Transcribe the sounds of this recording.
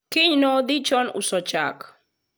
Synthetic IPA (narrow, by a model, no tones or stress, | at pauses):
kɪɲnɔd̪ɪt͡ʃɔnʊ̰sɔt͡ʃa̰k